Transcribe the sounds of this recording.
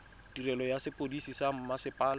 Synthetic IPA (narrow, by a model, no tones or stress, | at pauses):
d̥irɛlɔjasɪpʼodisisam̩masɪpʼaːl